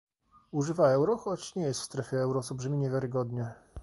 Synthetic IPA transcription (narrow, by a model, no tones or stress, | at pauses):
uʐɘvaɛwɾɔxɔt͡ɕɲɛjɛst̪fst̪ɾɛfʲjɛɛwɾɔsɔlbʐɘmʲiɲevʲjaɾɘɡɔd̪ɲɛ